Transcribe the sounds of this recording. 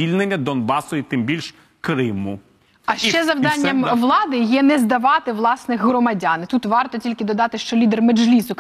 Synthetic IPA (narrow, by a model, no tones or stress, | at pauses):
ilʲnenʲːɐd̪ɔnbɑsʊit̪ɪmbʲilʲʃ | kɾɪmu | ɐʃt͡ʃt͡ʃɛzɐʋd̪ɑnʲːɐmʋlˠɑd̪ɪjɛnɛzd̪ɐʋɑt̪ɪʋlˠɑsnɪxɦɾɔmɐdʲɑnɪt̪ut̪ʋɑrt̪ɔtʲilʲkɪd̪ɔd̪ɑt̪ɪʃt͡ʃɔlʲid̪ermed͡ʒlʲisʊ